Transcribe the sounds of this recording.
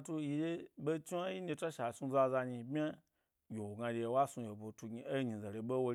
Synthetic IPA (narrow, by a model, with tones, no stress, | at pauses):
a˧tu˧ji˧je˦be˦t͡ʃi˦a˦ji˦ne˧ta˦ʃa˨su˧za˧za˧ɲi˧bʲa˦ | jo˨wo˨ɡã˧ɾʲe˧wa˦su˧je˨bo˨tu˧ɡi˧e˦ɲi˨za˨le˧ɓo˦wo˧